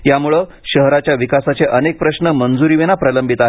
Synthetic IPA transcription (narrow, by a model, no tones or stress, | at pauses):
jamuɭə | ɕəɦɾat͡ɕjaʋikasat͡seʔənek̚pɾəɕnəmənd͡zuɾiːʋenapɾələmbʱit̪aɦe